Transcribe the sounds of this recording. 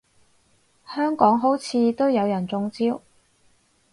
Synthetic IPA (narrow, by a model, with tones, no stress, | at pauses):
hœː˥ŋkɔː˨˥ŋɦo˨˥wt͡sʰiː˨˧t̪o˥wjɐ˨˧wjɐ˨˩nt͡sʊ˧ŋt͡siː˥w